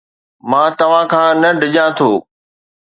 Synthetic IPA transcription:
mãːt̪ɐʋ̤ãkʰãːnɐɖɪʄãt̪ʰoː

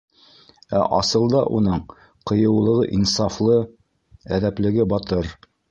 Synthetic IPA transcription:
æ̰ʔɑsɤ̆lˠd̪ɑʔunɤɴ | qɤ̆jɤ̆wlˠɤ̆ʁɤʔinsɑflˠɤ | æðæplɘ̆ɡɘbɑt̪ɤɾ

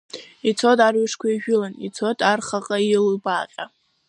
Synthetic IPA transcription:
it͡sʰotʼarɥɪʂkʷʰaiʒᶣʊlanit͡sʰotʼarχaqʼailbaqʲʼa

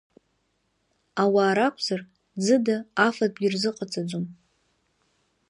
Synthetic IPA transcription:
awaːɾakʷʰz̥ar | d͡zɨdaafadʼɡʲɪrzɨqʼat͡sʼad͡zʷom

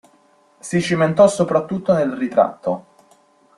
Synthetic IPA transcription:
sit͡ʃiment̪ɔsːopɾat̪ːut̪ːonelrit̪ɾa̰t̪ːo

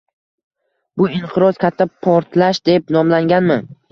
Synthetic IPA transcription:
bʊɪɴqʰɨɾɒzkʲʰat̪ʰːapʰɒɾt̪ʰlaʃd̪e̞p̚nɒmlaŋɡʲanmɪ

